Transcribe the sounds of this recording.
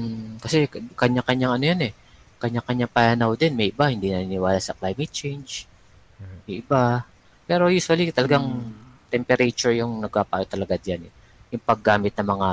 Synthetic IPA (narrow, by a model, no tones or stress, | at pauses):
m̩kɐsɛkɐɲːakɐɲːaŋɐnojanɛ | kɐɲːakɐɲaŋpɐjanawd̪ɛnmɛjʔɪbahɪnd̪inɐninɪwaːlasɐklajmɛt̪̚t͡ʃɛjnd͡ʒ | mɛjʔɪba | pɛːɾo̞juːswɐlit̪ɐlɐɡaŋt̪ɛmpɛɾet͡ʃʊɹjʊŋnɐɡ̚paːpa̰ːjot̪ːɐlɐɡad̪janɛ | jʊŋpɐɡːaːmɪt̪̚nɐmɐŋa